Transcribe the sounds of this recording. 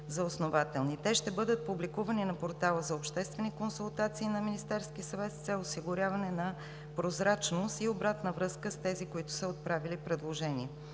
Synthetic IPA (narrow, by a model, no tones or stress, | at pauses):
zɐosnovat̪ɛlˠnit̪ɛʃt̪ɛbɤd̪ət̪̚publikuvɐninɐpoɾt̪alˠəzɐopʃt̪ɛst̪vɛnikonsʊlˠt̪at̪siːnɐminist̪ɛɾskisɐvɛt̪st̪sɛlˠosiɡʊɾʲjavɐnɛnɐ | pɾozɾat͡ʃnost̪iobɾat̪nəvɾɤskəst̪ɛzikoit̪ʊ̥səot̪̚pɾavilipɾɛd̪lˠoʒɛniɛ